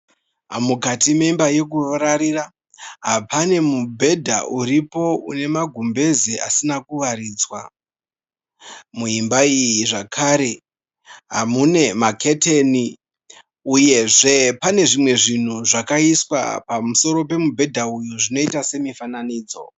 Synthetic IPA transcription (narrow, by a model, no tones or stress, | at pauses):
amukatimeimbaje̞k̬uʋaɾaɾira | ɦapʰane̞mubʱe̞dʱauɾipo̞une̞maɡʱumbe̞ziʔasinakuʋaɾiːd͡zwa | muimbaijiʐakʰaɾe̞ | ɦa̰mune̞makʰe̞teni | uje̞ʐe̞pane̞ʐimwe̞ʐin̤uʐakaiswa̰pamuso̞ɾo̞pe̞mubʱe̞dʱaujuʐino̞itase̞mifananiːd͡zo̞̰